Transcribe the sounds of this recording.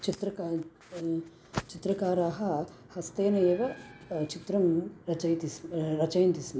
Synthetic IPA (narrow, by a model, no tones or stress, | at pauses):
t͡ʃit̪ɾɐ | t͡ʃit̪ɾɐkaːɾaːɦɐ | hɐst̪eːnɐeːʋɐt͡ʃit̪ɾɐmɐt͡ʃɐt̪iɾɐt͡ʃɐjɐnt̪isin